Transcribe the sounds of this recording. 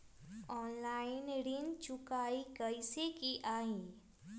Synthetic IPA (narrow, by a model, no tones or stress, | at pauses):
ɔːnlaːɪnɾint͡ʃʊkaːikəɪsekiʔaːĩ